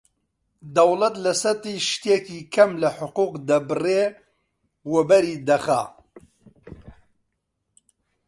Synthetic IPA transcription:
d̪ɐwlɐt̪lɐsɐt̪iːʃt̪ekiːkʰɐmlɐħʊquːqd̪ɐbɨreː | wɛbɐɾiːd̪ɐxa̰

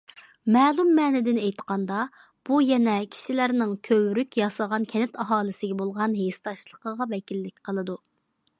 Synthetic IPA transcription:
mɛːlˠumːɛːnɪd̪ɪnɛjt̪qɑnd̪ɑ | b̥ujɛnɛkʲʰi̥ʃilæɾnɪŋkʲʰøwɾykʲjɑslʁɑnkʲʰɛnɪt̪ɑɦɑːlˠɨsɪɡʲɛbolˠʁɑnɦest̪ɑʃlˠəqəʁɑvɛkʲilːɪk̚ʲqʰəlˠɨd̪u

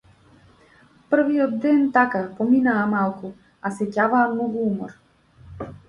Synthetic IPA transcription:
pr̩vijɔd̪d̪ɛnt̪akapɔminaːmalˠku | asɛcavaːmnɔɡuumɔ̰ɾ

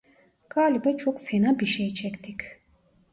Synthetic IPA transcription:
kʼaːlibɛt͡ʃʰʼɔkfʰɛnabiʃɛːt͡ʃʰɛkt̪ʰikʰ

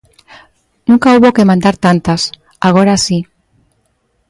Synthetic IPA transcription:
nũŋkauβokemãnd̪aɾt̪ant̪as | aɣ̞oɾasi

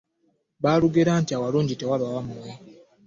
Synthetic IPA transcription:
βaluɡeɾaːntiawaluːɲɟite̞waβawamwe

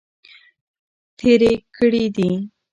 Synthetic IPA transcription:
t̪ʰeɾekəɽid̪i

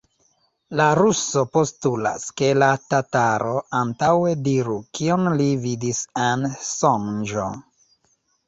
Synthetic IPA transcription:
laɾuso̞po̞stula̰ske̞latataɾo̞antawe̞diɾukionlividisensond͡ʒo

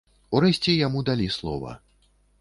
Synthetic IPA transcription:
uɾɛsʲt͡sʲɛjamud̪alʲislˠɔ̰vɐ̰

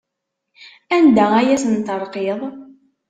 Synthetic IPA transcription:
ænd̪ææjæsənt̪əɾˤqeðˤ

